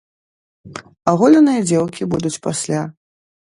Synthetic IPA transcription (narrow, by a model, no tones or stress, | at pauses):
aɣɔlʲɐnɨjɐd͡zʲɛwkʲibud̪ut͡sʲpasʲlʲa